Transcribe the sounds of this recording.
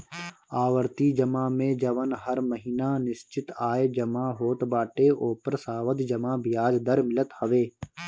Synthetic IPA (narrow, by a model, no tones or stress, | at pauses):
aːʋəɾt̪id͡ʒəmaːmẽːd͡ʒɐʋənɦɐɾməɦiːnanɪst͡ʃɪt̪aːed͡ʒɐmãːɦoːt̪baːʈeːʔoːpəɾsaːʋəd̪d͡ʒɐmãːbɪjaːd͡ʒd̪əɾmɪlət̪hɐʋeː